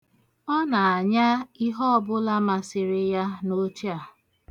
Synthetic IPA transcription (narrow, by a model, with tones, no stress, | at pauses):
ɔ˦na˨a˨ɲa˦i˦ɦɔ˦ɔ˨bʊ˦la˦ma˨sɪ˨ɾɪ˦ja˦no˦ti˦a˨